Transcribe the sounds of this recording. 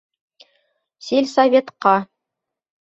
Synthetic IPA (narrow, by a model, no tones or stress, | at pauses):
silʲsɐvʲet̪qɑ